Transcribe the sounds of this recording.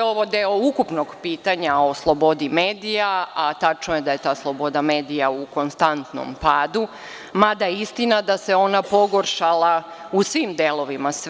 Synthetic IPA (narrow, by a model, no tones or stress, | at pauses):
oʋod̪eoukupnoɡpiːt̪aɲao̞slˠobo̞d̪imeːd̪ijaat̪at͡ʃnoje̞d̪aje̞t̪aːslˠo̞bo̞d̪ame̞ːd̪ijauko̞nst̪ant̪no̰mpaːd̪u | mad̪ajeist̪inad̪ase̞o̞napo̞ɡo̞ɾʃala | usʋiːmd̪eːlˠo̞ʋimas